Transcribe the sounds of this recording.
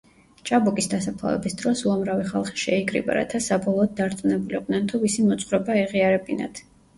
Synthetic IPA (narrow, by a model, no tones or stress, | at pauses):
t͡ʃʼabɔkʼisd̪asapʰlˠa̰vɛ̰bisd̪ɾɔsuamɾaviχalˠχi̥ʃɛikʼɾḭba̰ɾa̰t̪ʰasabɔlˠɔːd̪̚d̪aɾt̪sʼunɛbuliqʼd̪nɛnt̪ʰuvisimɔt̪sʼχɾɔbaɛʁiaɾɛbina̰t̪ʰ